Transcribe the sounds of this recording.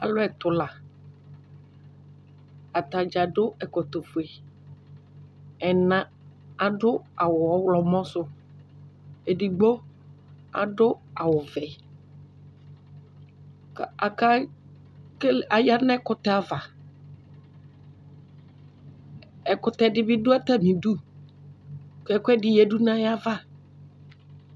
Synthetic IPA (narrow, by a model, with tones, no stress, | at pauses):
a̰˨lʊ˦ɛ˨t̪ʊ˨la˨ | a˨t̪a˨d͡ʒa˨ɖʊ˦ɛ˨kɔ˨t̪o˨fʊ˨ɛ˨ | ɛ˨nã˦ | a˨ɖʊ˦a˨wʊ˨ɔ˦wlɔ˨mɔ̃˦sʊ˦ | e˨ɖi˨ɡ͡bo˦ | a̰˨ɖʊ˦a˨wʊ˨vɛ˨ | ka˨ka˦ | ka˨ja˦nã˦kʊ˨t̪ɛ˦a˨va˨ | ɛ˨kʊ˨t̪ɛ˨dɪ˦bɪ˦dʊ˦a˦ta˦˨mĩ˨du˦ | kɛ˨kʊ˦ɛ˦dɪ˨jɛ˨˦du˦nã˦ja˦va˦